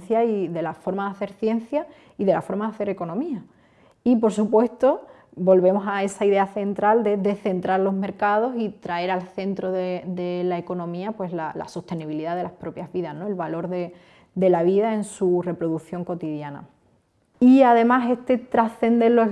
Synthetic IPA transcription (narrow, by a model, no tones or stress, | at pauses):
θjaiðe̞lafo̞ɾmaðaθe̞ɾθje̞nθja | iðe̞lafo̞ɾmaðaθe̞ɾe̞ko̞nõmĩa | ipo̞ɾsupwe̞st̪o̞ | bo̞lβe̞mo̞sae̞saiðe̞aθe̞nt̪ɾald̪e̞ðe̞θe̞nt̪ɾaɾlo̞ɦme̞ɾkað̞o̞sit̪ɾae̞ɾalθe̞nt̪ɾo̞ðed̪e̞lae̞ko̞nõ̞mĩapwe̞slala̰so̞ht̪e̞niβ̞iliðaðe̞lahpɾo̞pjazβiðahno̞e̞lβalo̞ɾðe̞ | d̪e̞laβ̞iðae̞nsure̞pɾo̞ðuθjo̞ŋko̞t̪iðjana̰ | iaðe̞masest̪e̞t̪ɾasθe̞nd̪e̞lo